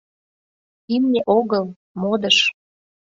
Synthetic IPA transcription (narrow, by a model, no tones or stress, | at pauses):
imnʲeʔoɣəlˠ | mod̪əʃ